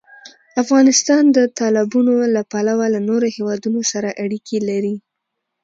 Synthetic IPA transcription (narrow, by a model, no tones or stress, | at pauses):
afɣɑnɪst̪ɑnd̪ət̪ɑlɪbunolapalawalanoɾohewɑd̪unosaɾaʔaɽikʰelaɾi